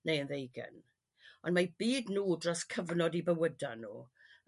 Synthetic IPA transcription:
nʔejənðejɡɛ̰n | ɔndmabiːdnuːdrɔskʰəvnɔdibəwədanṵː

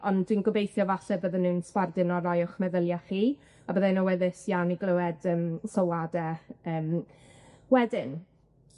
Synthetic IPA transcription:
ɔnd̥winɡɔbejθjɔvaɬɛbəðənːɨːnspardɪnɔɾɔjɔχmɛðəlˠjaχiː | abəːðanɔwɛðɪsjawniɡlˠəwɛdəːmsɔwadɛəːm | wɛdɪn

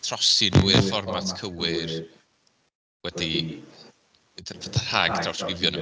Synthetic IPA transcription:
tʰrɔsinuːɪrfɔrmatʰkʰəwɪr | wɛdi | tʰahaɡdʰrawskɾɪvjɔn

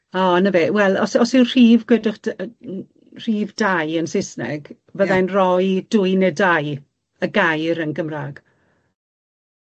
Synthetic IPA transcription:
ɔːnəvɛwɛlˠɔsɔsɪwr̥iːvɡwɛdʊχ | r̥iːvdajənsɪsnɛ̰ɡ̥ | vəðajnrɔjd̥ʊjnɛdaj | əɡajɾənɡəmraɡ̥

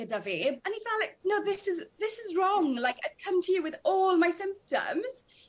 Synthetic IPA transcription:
ədəveə̃nifɛlaɪknoʊðɪsɪzðɪsɪzɹɔ̃ŋlaɪka̰ɪd̥kʰə̃mtʰəjəwɪðɔːlˠmaɪsɪ̃mp̚tə̰̃mz̥

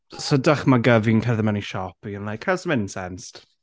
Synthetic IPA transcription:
sədaχmaɡəvinkʰɛrðəmɛniʃɔpiənlˠajkʰhɛlsəmɪnsɛnst

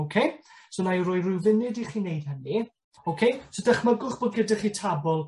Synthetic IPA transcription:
okʰej | sonajrʊɨrʊwvɪnɨdiχiːnejd̥həni | owkʰejsodəχməɡʊχb̥ɔd̚ɡədaχitʰabɔlˠ

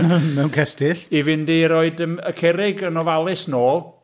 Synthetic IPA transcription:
mɛwnkʰɛstɪɬivɪndiɾoɨdəməkʰɛɾɪɡənɔvalˠɪsnoːlˠ

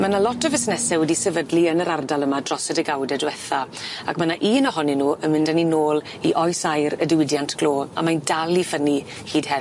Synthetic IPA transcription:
manalɔtʰəvɪsnɛsɛwɛdisɛvədliənəɾardalˠəmadrɔsədəɡawdɛdwɛθa | akmanaʔiːnɔɦɔninuːʔənmɪndaninoːlˠ | iʔɔjsajɾədɪwɪdjantʰɡ̥loːa̰majndalˠifəni | hiːd̥hɛ

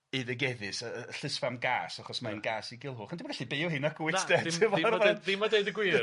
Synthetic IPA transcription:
ɨðəɡɛðɨsəɬəsfamɡa̰ːsaχɔsmanɡaːsiɡɪlˠɦʊːχəndɪmːnɡaɬibɪːɔɦɨnakʰwɪndɛtɪvɔɾvaɪmadeɨdəɡwiː

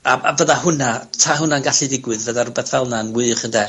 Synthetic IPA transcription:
aʔavəðahʊnatʰaɦʊnaənɡaɬɨdɪɡwɨðvəðaɾʊbɛθv̥ɛlˠnanwɨχəndɛ

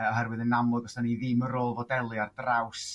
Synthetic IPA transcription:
ɔɦɛɾwɨðənamˠʊɡɔsaniðɪməɾoːlˠvɔdɛlˠɨardraws

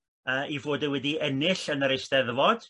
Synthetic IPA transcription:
əːʔivoːdəwɛdiɛnɪɬənəɾejsd̥ɛðvɔd̥

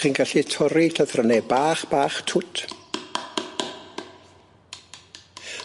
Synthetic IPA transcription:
inɡaɬitʰɔɾiɬaðrənebaːχb̥aːχtʰʊtʰ

